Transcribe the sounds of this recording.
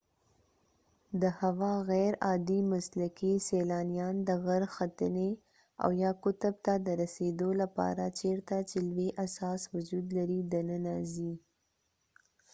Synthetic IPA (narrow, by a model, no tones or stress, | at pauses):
d̪əhawɑɣɛɾɑd̪imaslakiselɑnijɑnd̪əɣaɾxat̪əne | a̰wjɑkʊt̪ʊb̚t̪ad̪əɾased̪olapɑ̰ɾat͡ʃeɾt̪at͡ʃelweʔasɑswʊd͡ʒud̪laɾid̪anənazi